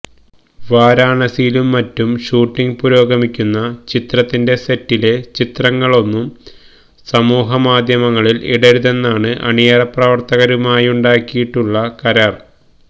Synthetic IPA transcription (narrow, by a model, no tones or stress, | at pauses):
ʋaːɾaːɳɐsijilumːɐtːumʂuːʈːiŋpuɾo̞ːɡɐmikʲːunːɐt͡ɕit̪rɐt̪ːinde̞se̞tːilet͡ɕit̪rɐŋːɐɭo̞nːum | sɐmuːɦɐmaːd̪ʱjɐmɐŋːɐɭilḭɽɐɾuðe̞nːaːɳɨʔɐ̰ɳijɐɾɐprɐʋɐrt̪ɐɣɐɾumaːjuɳɖaːkːijiʈːuɭːɐkɐɾɐr